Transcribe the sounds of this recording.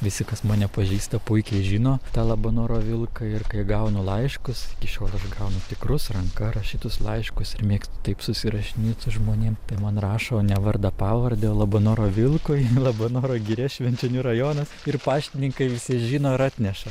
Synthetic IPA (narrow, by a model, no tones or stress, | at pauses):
ʋʲɪsʲɪkɐsmoːnʲɛpɐʒʲiːst̪ɐpʊɪkʲɛɪʒʲiːnoːt̪ɑːlˠɐboːnoːɾoːʋʲɪlˠkɐɪrkɐɪɡɐʊnʊlˠɐɪʃkʊsɪkʲɪʃʲoːlˠɐʃɡɐʊnʊt̪ʲɪkrʊsrɐŋkɐrɐʃʲiːt̪ʊslˠɐɪʃkʊsɪrmʲeːkst̪ʊ̥t̪ɐɪpsʊsʲɪɾɐʃʲɪnʲiːt̪sʊʒmoːnʲeːmt̪ɐɪmɐnrɑːʃoːnʲɛʋɐɾd̪ɐpɑːʋɐɾʲd̪ʲɛoːlˠɐboːnoːɾoːʋʲɪlˠkoːjlˠɐboːnoːɾoːɡʲɪɾʲɛʃʲʋʲɛnʲt͡ʃʲɛnʲurɐjoːnɐsɪrpɑːʃʲt̪ʲɪnʲɪŋkɐɪʋʲɪsʲɪʒʲiːnoːɪɾɑːt̪ʲnʲɛʃɐ